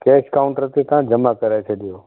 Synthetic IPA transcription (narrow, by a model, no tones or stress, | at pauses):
keːʃkaʊ̃ɳʈəɾt̪ʰit̪ãd͡ʒəmakəɾajt͡ʃʰeɗijoː